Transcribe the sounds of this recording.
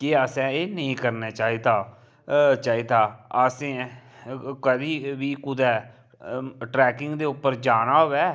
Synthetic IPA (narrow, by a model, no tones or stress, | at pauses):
kɪəːsɛ̃ːeːnəĩːkəɾneːt͡ʃaːiːd̪aː | t͡ʃaːiːd̪aːəsẽː | kəd̪iːʋiːkʊd̪ɛː | ʈɾɛːkɪŋɡd̪eːʊpːəɾd͡ʒaːnaːɦoːʋɛː